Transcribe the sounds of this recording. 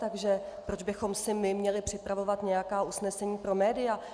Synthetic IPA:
t̪aɡʒɛpɾod͡ʒbɪxo̞msɪmɪmɲɛlɪpr̝̥ɪpɾavo̞vat̪ɲɛjakaːʔusnɛsɛɲiːpɾo̞mɛːdɪja

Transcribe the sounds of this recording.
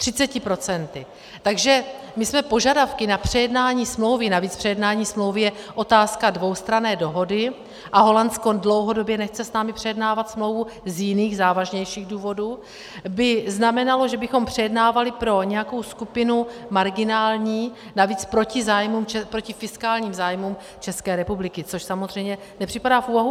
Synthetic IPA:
t̪r̥ɪt͡sɛcɪpɾo̞t͡sɛnt̪ɪ | t̪aɡʒɛ | mɪsmɛpo̞ʒadafkɪnapr̝̥ɛjɛdnaːɲiːsmlo̞wvɪnaviːt͡spr̥ɛjɛdnaːɲiːsmlowvɪjɛʔo̞t̪aːskadvo̞wst̪ɾanɛːdo̞ɦo̞dɪ | ʔaɦo̞lanskondlo̞wɦo̞do̞bjɛnɛxt͡sɛsnaːmɪpr̥ɛjɛdnaːvat̪smlo̞wvuzjɪniːɣzaːvaʒɲɛjʃiːɣduːvo̞du | bɪznamɛnalo̞ʒɛbɪxo̞mpr̝̥ɛjɛdnaːvalɪpɾo̞ɲɛjako̞wskupɪnumaɾɡɪnaːlɲiːnaviːt͡spɾo̞cɪzaːjmumt͡ʃɛpɾo̞cɪfɪskaːlɲiːmzaːjmuːm | t͡ʃɛskɛːɾɛpublɪkɪt͡so̞ʃsamozr̝ɛjmɲɛ | nɛpr̥ɪpadaːfʔuːvaɦu

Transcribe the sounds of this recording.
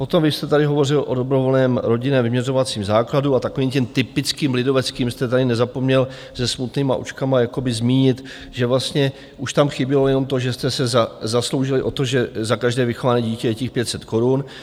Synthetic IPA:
po̞t̪o̞mvɪst̪ɛt̪adɪɦo̞vo̞rɪlʔo̞dobɾovo̞lnɛːmɾo̞ɟɪnɛvɪmɲɛro̞vat͡siːmzaːkladuat̪akoviːmcɛmt̪ɪpɪt͡skiːmlɪdo̞vɛt͡skiːmst̪ɛt̪adɪnɛzapo̞mɲɛl | z̥ɛsmut̪niːma̰ʔṵt͡ʃkamajako̞bɪzmiːɲɪt̪ | ʒɛvlast̪ɲɛ | ʔuʃt̪amxɪbɪlojɛno̞mt̪o̞ʒɛst̪ɛsɛzazaslo̞wʒɪlɪʔo̞t̪oʒɛzakaʒdɛːvɪxo̞vanɛːɟiːcɛjɛcɪxpjɛt̪sɛt̪ko̞ɾun

